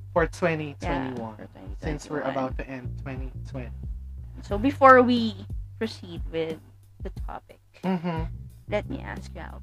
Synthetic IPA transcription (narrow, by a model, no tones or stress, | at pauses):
fɔɹtʰw̥ɛ̃nitʰwwɛ̃ñiwʌ̃n | sɪ̃nswiɹəbaʊt̪̚ðiʔɛ̃ntʰw̥ɛ̃nitʰw̥ɛ̃nisoʊbɨfɔɹwipʰɹ̥ɨsid̚wɪð | ðɨtʰɑ̰pɪk̩m̥m̩lɛt̚mḭʔæ̰skjɨa̰ʊt